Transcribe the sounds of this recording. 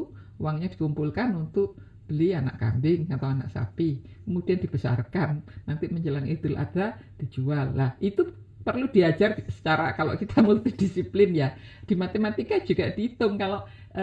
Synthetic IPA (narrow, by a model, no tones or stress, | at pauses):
waŋɲad̥ikumpulkanunt̪ʊʔ̚ | b̥əliana̰ʔka̰mbɪŋkat̪awana̰ʔsa̰pi | kəmud̥iand̥ib̥əsa̰rkanːant̪iməɲd͡ʒəlaŋid̪̥ʊlʔa̰d̥ad̥id͡ʒualːahʔit̪u | pərlud̥iḁd͡ʒarsə̥t͡ʃaɾa̰kalo̰ʔkit̪ʰamult̪id̥isiplɪnja | d̥imat̪emat̪ikad͡ʒ̥uɡ̥ad̥iːt̪ʊŋkaloʔ